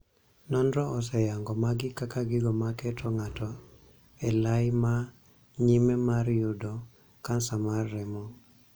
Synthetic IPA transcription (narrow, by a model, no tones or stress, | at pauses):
nɔndɾɔɔs̬ɛjaŋɡɔmaɡɪkakaɡɪɡɔmakɛtʰɔŋatɔ | ɛlajma | ɲimemaɾjudɔ | kansamarːɛmɔ